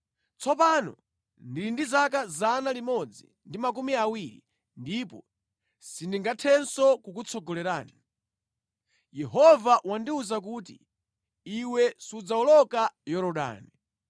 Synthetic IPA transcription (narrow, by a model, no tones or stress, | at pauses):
t͡sɔpanɔ̰ | ndilindizak̬azanalimɔd͡zḭ | ndimak̬umiawiɾḭ | ndipɔ | sindiŋɡatʰɛnsɔkukut͡sʰɔɡɔlɛɾaːni | jɛɦɔvawandiuzak̬uːtḭ | iwɛsud͡zaɔlɔkajɔɾɔɗa̰ːni